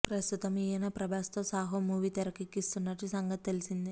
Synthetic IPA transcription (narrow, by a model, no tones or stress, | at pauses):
pɾɐst̪ut̪ɐmiːjɐnɐpɾɐbaːst̪oːsaːɦomuːʋit̪ɐɾɐkikːist̪unːɐʈːisɐŋɡɐt̪t̪elisind̪i